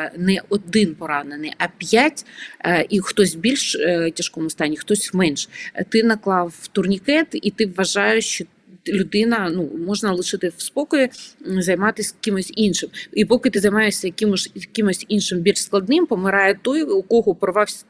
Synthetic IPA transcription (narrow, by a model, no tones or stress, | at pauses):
nɛɔd̪ɪnpɔɾɑnenɪjʔɐpʲjatʲixt̪ɔsʲbʲilʲʃtʲɐʃkɔmʊst̪ɑnʲːixt̪ɔsʲmɛnʃt̪ɪnɐklˠɑwt̪ʊrnʲikɛt̪it̪ɪʋːɐʒɑjʊʃt͡ʃɔ | lʲʊd̪ɪnɐnumɔʒnɐlˠɪʃɪt̪ɪwspɔkɔjizɐjmɑt̪ɪsʲkʲɪmɔsʲinʃɪmipɔkɪt̪ɪzɐjmɑjeʃsʲɐjkɪmʊʒjkʲimɔsʲinʃɪmbʲilʲʃsklˠɐd̪nɪmpɔmɪɾɑjɛt̪ɔjukɔɦɔpɾɔʋɑwsʲ